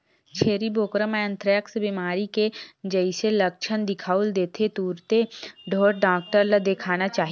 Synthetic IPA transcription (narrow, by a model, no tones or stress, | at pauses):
t͡ʃʰeːɾiboːkɾəmẽə̃nt̪ɾəjəksbimaːɾiked͡ʒəɪselɐk̚t͡ʃʰənd̪ɪkʰaːuld̪eːt̪ʰet̪uːɾt̪eɖʱoːɾɖaːk̚ʈəɾlad̪ekʰaːnat͡ʃaːɦi